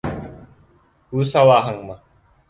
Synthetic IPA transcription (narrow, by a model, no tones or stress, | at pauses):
uːsawaːɦɯŋma